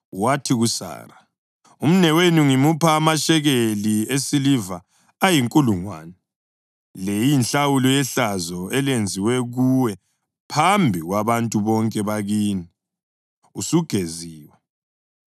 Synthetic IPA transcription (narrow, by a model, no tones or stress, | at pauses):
watʰiɣusa̰ːɾa | um̩nɛwenuŋimupʰaːmaʃɛɣeliesilivaː | jiŋkʼuluŋwa̰ːnɛ | lejinɬawulɔjɛɬazɔɛlend͡zʱiwɛɣuwɛ | pʰambʱiɣwaβantʼuβɔŋkʼɛβaɣiːni | usuɡ̥ʱeziːwɛ